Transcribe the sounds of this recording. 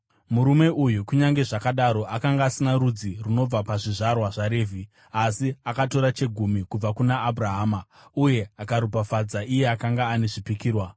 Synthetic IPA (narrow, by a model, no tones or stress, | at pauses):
muɾume̞ʔujukuɲaŋɡe̞ʐakaɗaɾo̞ʔakaŋɡaːsinaɾud͡ziruno̞b͡vapaʐiʐarwaʐaɾe̞ːvi | asiakato̞ɾat͡ʃe̞ɡʱumikub͡vakunaːbʱraɦaːmauje̞akaɾupafad͡zaʔije̞akaŋɡaːne̞ʐipikiːrwa